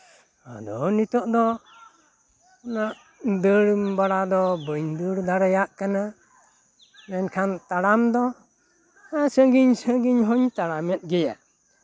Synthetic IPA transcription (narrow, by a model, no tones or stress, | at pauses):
a̰d̪ɔnit̪ɔʔd̪ɔ | ɔnaʔ | d̪əɽbaɽad̪ɔbəɲd̪əɽd̪aɾɛjaʔkana | mɛnkʰant̪aɽamd̪ɔ | asəɡiɲsəɡiɲɦɔɲt̪aɽamɛt̪̚ˀɡɛja̰